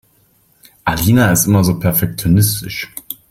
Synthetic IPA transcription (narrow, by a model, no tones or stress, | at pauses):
ʔaliːnaɪstʔɪmɐzoːpʰɛɐfɛk̚t͡sjonɪstɪʃ